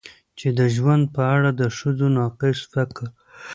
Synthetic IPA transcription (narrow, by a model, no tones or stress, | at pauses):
t͡ʃed̪əʒwand̪̚pəaɽad̪əʂəzonɑqɪsfakə